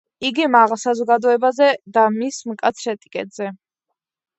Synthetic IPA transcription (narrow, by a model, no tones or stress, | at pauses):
iɡimaʁlˠsazɔɡad̪ɔɛbazɛd̪amismkʼat̪sʰɾɛt̪ʼikʼɛ̰t̪ʼz̥ɛ